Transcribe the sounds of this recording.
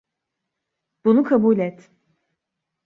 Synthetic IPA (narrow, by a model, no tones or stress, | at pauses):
b̥unukʰabuːlʲɛt̪